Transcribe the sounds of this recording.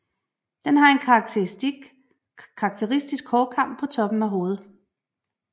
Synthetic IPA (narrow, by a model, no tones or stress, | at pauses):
d̥enɦɑ̈e̝nkʰɑ̥t͡sʰe̥ | kʰɑ̈ːɡ̥̚t͡sʰeʁisd̥isɡ̥hɒːkʰɑ̈m̰b̥̚pʰɒ̽t͡sʰɒ̽b̥n̩æɦo̝ːð̞̩ˠ